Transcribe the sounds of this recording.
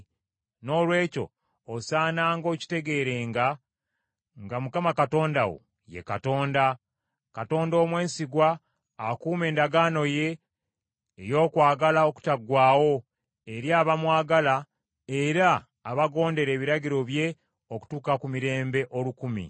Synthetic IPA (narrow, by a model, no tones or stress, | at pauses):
no̞ːlwe̞ːco̞̰ː | saːnaːŋɡo̞ːci̥te̞ɡe̞ːɾe̞ŋɡa | ŋɡamukamakato̞ːndawo̰ | je̞̰kato̞ːnda | kato̞ːndo̞ːmwe̞ːnsiɡwaː | kuːme̞ːndaɡaːno̞je̞ː | jo̞ːkwaːɡalao̞ku̥taɡwaːwo̞ | eɾjaːβamwaːɡala | eɾaː | βaɡo̞ːnde̞ɾe̞ːβiɾaɟiɾo̞βje̞ | oku̥tuːkakumiɾe̞ːmbe̞ʔo̞lukumḭ